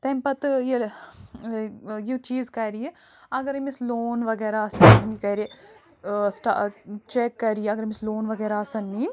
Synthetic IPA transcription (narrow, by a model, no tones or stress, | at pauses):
t̪ɐmpɐt̪ɨjel | jit͡ʃiːzkɐɾiji | ɐɡɐɾɐmisloːnʋɐɡeɾaːsɐnːinikɐjɾi | sʈa̰t͡ʃekːɐɾijɐɡɐɾɐmisloːnʋɐɡeːɾaːsɐnːi